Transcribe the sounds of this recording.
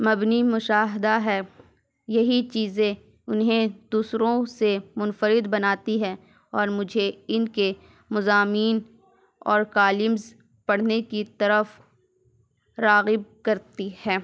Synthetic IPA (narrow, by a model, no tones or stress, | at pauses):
mɐbnimʊʃaːɦɪd̪aɦɛː | jɐɦit͡ʃiːzẽ | ʊnɦẽd̪̥uːsɾõsemʊnfəɾɪd̪bɐnaːt̪iɦɛ̃ː | ɔːɾmʊd͡ʒʱeɪnke | mʊzaːmiːn | ɔːɾkaːlɪmz | pɐɽ̤nekit̪ɐɾəf | ɾaːɣɪb̚kɐɾt̪ihɛː